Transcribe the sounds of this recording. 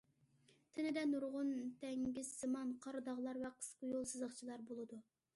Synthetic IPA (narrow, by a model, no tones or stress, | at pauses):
t̪ʰɪnɪd̪ɛnuɾʁʊnt̪ʰɛŋɡʲizːɨmɑnqʰɑɾd̪ɑʁlˠɑɾvɛqʰə̥sqəjolˠsɨzəχt͡ʃʰilˠɑɾbolˠɨd̪u